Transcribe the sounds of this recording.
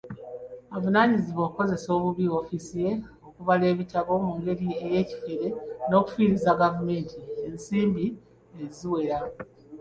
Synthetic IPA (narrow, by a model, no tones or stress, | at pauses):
avunaːɲiziβo̞ːkko̞ze̞so̞ːβuβio̞fisije̞ | o̞kuvale̞ːβitaβo̞muːŋɡe̞ɾie̞je̞ːci̥fe̞ɾe̞no̞ːku̥fiːɾizaɡavume̞ːntʰie̞nsiːmbi | eziwe̞ɾa